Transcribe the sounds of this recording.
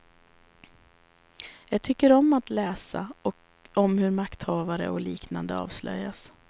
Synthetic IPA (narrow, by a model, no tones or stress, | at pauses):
jɑːɡt̪ʰʏkːəɾɔmːat̪lɛːsa̰ɔ | ɔmhɵɾmakt̪hɑːvaɾə̰ɔliːknand̪əɑ̰ːvslœ̰jːas